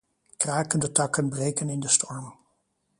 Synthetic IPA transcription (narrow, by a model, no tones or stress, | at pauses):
kraːkəndətɑkənbrejkənɪndəstɔɹm